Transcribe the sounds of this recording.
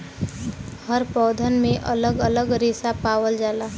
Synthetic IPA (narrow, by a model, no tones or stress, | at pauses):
həɾpɔːd̪ʱənmẽʔələɡələɡɾesapaːwəld͡ʒaːlaɦ